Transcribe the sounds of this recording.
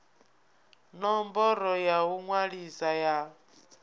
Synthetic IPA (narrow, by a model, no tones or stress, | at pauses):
nɔmbɔɾɔjauŋwaɺisaja